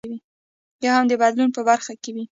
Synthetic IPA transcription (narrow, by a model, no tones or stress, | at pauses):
wi | jɑhamd̪əbad̪lunpəbaɾxakewi